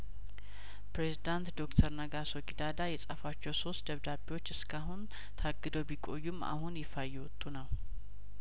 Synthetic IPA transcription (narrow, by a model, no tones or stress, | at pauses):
pɾezid̪ant̪d̪o̞kt̪ʰəɾnəɡasoɡʼid̪ad̪ajɛsʼafat͡ʃːɛwso̞st̪d̪əβd̪abiwo̞t͡ʃːɨskʰaɦun | t̪ʰaɡːɨd̪əwbikʼo̞jːuma̰hunjɛfajːɛwɔt̪ʼːunəw